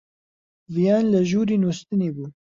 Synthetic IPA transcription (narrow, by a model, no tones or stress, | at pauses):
vijɑnlaʒuɾinost̪ənebu